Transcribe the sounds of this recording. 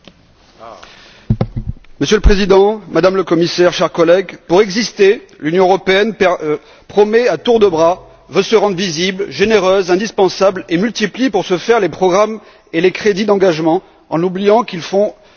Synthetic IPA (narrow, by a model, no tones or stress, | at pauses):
məsjøləpχezid̪ɑ̃mad̪amləkɔmisɛʁʃɛʁkɔlɛɡpuʁɛɡzist̪e | lynjɔ̃əʁɔpeɛnpɛ | pχɔmɛat̪uʁd̪əbʁa | vøsəʁɑ̃d̪ʁviziblʒeneʁøzɛ̃d̪ispɑ̃sablemylt̪iplipuʁsəfɛʁlepχɔɡʁam | elekχed̪id̪ɑ̃ɡaʒmɑ̃ | ɑ̰̃nublijɑ̃kilfɔ̃